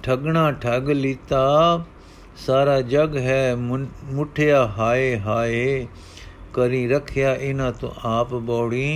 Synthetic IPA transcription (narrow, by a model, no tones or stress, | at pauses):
ʈʰɐɡɳ̃aːʈʰɐɡlit̪aː | saːɾaːd͡ʒɐɡɦɛːmʊʈʰjaːɦaːeɦaːe | kɐɾĩɾɐkʰɪjaːʔɪnãːt̪õ̰ʔaːpboːɽĩː